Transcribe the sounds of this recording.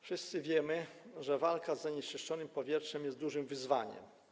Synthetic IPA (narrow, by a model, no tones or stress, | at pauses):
fʂɘst̪sɘvʲjɛmɘʐɛvalkazːaɲɛʂt͡ʂɛʂt͡ʂɔnɘmpɔvʲjɛtʂɛmjɛst̪d̪uʐɘmvɘzvaɲɛ̰m